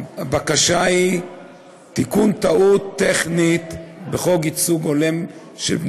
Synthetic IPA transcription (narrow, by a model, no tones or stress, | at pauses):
abakaʃai | t̪ikunt̪aut̪ːeχnit̪beχo̞ɡit͡suɡolem | ʃḛb